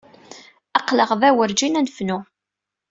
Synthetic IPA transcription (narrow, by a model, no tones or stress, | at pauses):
ɑqləʁvæwəɾd͡ʒinænfnʊ